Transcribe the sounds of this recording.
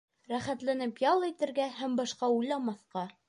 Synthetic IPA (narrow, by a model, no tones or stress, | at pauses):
ɾæχæt̪lænɘpjɑlˠĭt̪ɘ̆ɾɡæhæmbɑʃqɑujlˠɑmɑθqɑ